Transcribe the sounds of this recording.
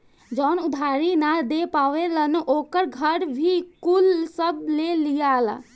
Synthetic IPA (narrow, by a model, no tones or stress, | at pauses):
d͡ʒɔːnʊd̪ʱaːɾinad̪epaːʋelənʔoːkəɾɡʱəɾbʱikulsəb̚lelijala̰